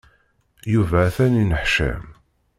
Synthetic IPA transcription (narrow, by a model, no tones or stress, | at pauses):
juvæθæninəħʃæ̰m